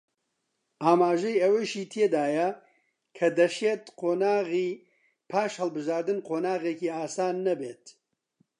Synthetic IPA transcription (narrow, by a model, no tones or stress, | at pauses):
aːmaːʒɛjɐweʃiːt̪ʰeːd̪aːjɐ | kʰɐd̪ɐʃeːt̪qʰoːnaːɣiː | pʰaːʃhɐlbɨʒaːɾd̪ɨnqʰoːnaːɣeːkiːaːsaːnːɐbeːt̪